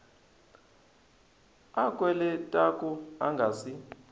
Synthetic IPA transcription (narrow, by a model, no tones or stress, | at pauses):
akʼwɛlɛtʼakʼuaŋɡʱaːsi